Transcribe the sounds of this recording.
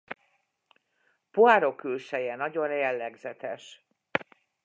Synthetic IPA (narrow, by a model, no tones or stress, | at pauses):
poaːɾo̞kːylʃɛjɛnɒɟo̞njɛlːɛɡzɛt̪ɛʃ